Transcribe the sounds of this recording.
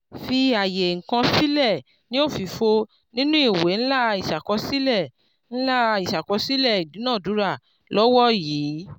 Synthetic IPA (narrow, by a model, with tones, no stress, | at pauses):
fi˧a˨je˨ŋ̩˨kã˧si˦lɛ˦˨ | nĩ˦o˦˨fi˧fo˧ | nĩ˦nũ˦i˦˨we˨˦n̩˦la˦i˨ʃa˨kɔ˧si˦lɛ˦˨ | ñ̩˦la˦i˨ʃa˨kɔ˨˧si˦lɛ˦˨i˨dĩ˨˦nãː˦˨du˨˦ɾa˦˨ | lɔ˦wɔ˦jiː˨˦